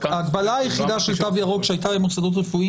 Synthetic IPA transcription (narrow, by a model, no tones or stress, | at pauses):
aːɡbalaajeχid̪aʃelt̪avjaʁo̞kʃeajt̬abemosad̪o̞t̬ʁefui